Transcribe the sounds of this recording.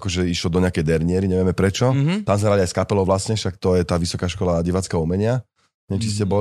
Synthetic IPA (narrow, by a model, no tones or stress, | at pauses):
kɔʒɛiʃlɔd̪ɔɲɪakɛjd̪ɛɾɲɪɛɾiɲɛʋɪɛmɛpɾɛt͡ʃɔt̪amzɦɾaliajskapɛlɔʊʋlasɲɛʃakt̪ɔjɛt̪aːʋisɔkaːʃkɔlaɟiʋaːt͡skaumɛɲɪa | ɲɛt͡ʃiscɛbɔ